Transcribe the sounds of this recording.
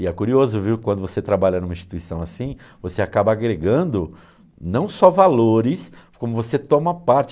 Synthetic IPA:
ɪɛkuɾiozʊviwkwɐ̃nd̪ʊvoset̪ɾabaʎɐnũmɐĩst͡ʃi̥t̪uisɐ̃w̃asĩ | voseakabɐaɡɾeɡɐ̃nd̪ʊ | nɐ̃w̃sɔvaloɾɪskõmʊvoset̪õmɐpaɾt͡ʃ

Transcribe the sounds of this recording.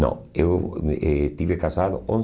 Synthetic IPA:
õ̰ | ewest̪iβekasaðʊõn

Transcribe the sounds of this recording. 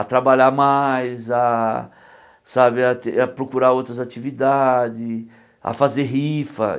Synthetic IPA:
at̪ɾabaʎamajza | sabɪat̪eapɾokuɾaot̪ɾɐzat͡ʃivid̪ad͡ʒɪ | a̰fazeɦifɐ̰

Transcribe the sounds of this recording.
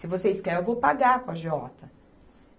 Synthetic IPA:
sɪvoseɪskɛɾewvowpaɡakɐʒɔt̪ɐ

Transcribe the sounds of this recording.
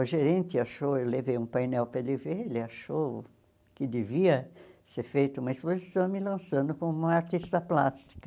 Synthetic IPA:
ʊʒeɾẽnt̪ɪaʃowewlevejũpajnɛwpɾɐeleveelɪaʃow | kɪd̪eviɐseɾfejt̪ɐũmɐespozisɐ̃w̃mɪlɐ̃sɐ̃nd̪ʊkõũmɐaɾt̪ist̪ɐplast̪i̥kɐ

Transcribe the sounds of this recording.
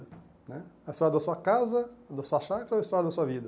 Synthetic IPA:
nɛɐjst̪ɔɾjɐd̪ɐsuɐkazɐd̪ɐsuɐʃakɾɐojst̪ɔɾɐd̪ɐsuɐvid̪ɐ

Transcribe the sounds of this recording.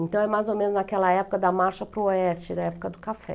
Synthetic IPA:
ẽnt̪ɐ̃w̃ɛmajzomẽnʊznakɛlɐɛpʊ̥kɐd̪ɐmaɾʃɐpɾʊoɛst͡ʃɪd̪ɐɛpʊ̥kɐd̪ʊkafɛ̰

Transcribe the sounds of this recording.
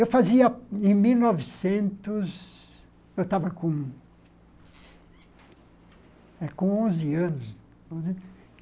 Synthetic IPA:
ewfaziɐẽj̃miwnɔvɪsẽnt̪ʊz | ewt̪avɐkõ | ɛkõõzɪɐ̃nʊs | õz

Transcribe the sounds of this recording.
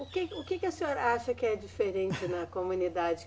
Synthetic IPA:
ʊkɪʊkɪkɪɐsẽoɾɐaʃɐkɪɛd͡ʒifeɾẽnt͡ʃɪnɐkomũnid̪ad͡ʒɪ

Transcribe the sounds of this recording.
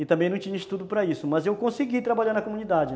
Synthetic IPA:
ɪt̪ɐ̃mbẽj̃nɐ̃t͡ʃĩɲɐist̪ud̪ʊpɾɐisʊmɐzewkõsiɡit̪ɾabaʎaɾnɐkomũnid̪ad͡ʒɪ

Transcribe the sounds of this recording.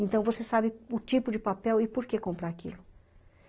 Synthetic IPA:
ẽnt̪ɐ̃w̃vosesabɪʊt͡ʃipʊd͡ʒɪpapɛwɪpoɾkekõmpɾaakḭlʊ

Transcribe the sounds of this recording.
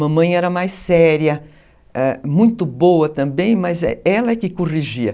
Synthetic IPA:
mɐ̃mɐ̃j̃ɛɾɐmajsɛɾiɐ | ɛmũj̃t̪ʊbowɐt̪ɐ̃mbẽj̃mɐzɛ̰ɛlɐɛkɪkoʁiʒiɐ

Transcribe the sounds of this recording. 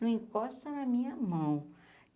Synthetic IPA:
ẽkɔst̪ɐnɐmĩɲɐmɐ̃w̃

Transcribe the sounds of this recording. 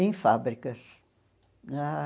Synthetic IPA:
ẽj̃fabɾikɐs | a

